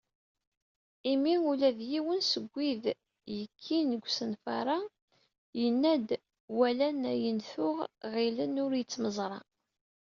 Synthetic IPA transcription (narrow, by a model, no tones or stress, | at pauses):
imiulæðjiwənsəɡʷːið | jəkʰːinəɡʷsənfɑ̰ɾˤɑ | jənːæd̪ | wælænæjənθʊʁʁilənʊɾjət͡sːməzˤɾˤɑ̰